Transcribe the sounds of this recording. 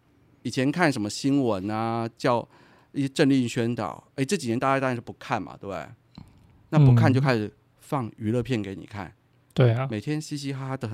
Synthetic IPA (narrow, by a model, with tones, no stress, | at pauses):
i˨˩t͡ɕʰjɛ˧˥nkʰa˥˩nʂə˧˥nmə˧ɕi˥nwə˧˥nɐ˦t͡ɕjɑ˥˩ʊ | i˥˧˩ɛ˥ʈ͡ʂə˥˧nli˥˧i˥˧ɕɥɛ˥nt̪ɑ̰˨˩˦ʊe˥˧ɪʈ͡ʂɤ˥˩t͡ɕi˨˩jɛ˧˥na˥˧t͡ɕa˥˧t̪a˥˧ʂɻ̩˥˩pu˧˥kʰa˥˩nmɐ̰˩t̪e˥˩ḛ˥˩ɪ | na˥˧pu˧˥kʰa˥˧nt͡ɕjo˥˧ʊkʰa˥ɪʂɻ̩˨˩ | fɑ˥˩ŋy˧˥lɤ˥˧pʰjɛ˥˩nke˧˥ɪnḭ˨˩kʰa̰˥˩n | t̪we˥˩me˨˩ɪt̪ʰjɛ˥nɕi˥ɕi˥xa˥d̪ə˨x